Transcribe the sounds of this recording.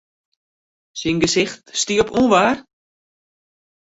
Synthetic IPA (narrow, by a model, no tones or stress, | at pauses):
sinɡəsɪxtstiəpunʋaːr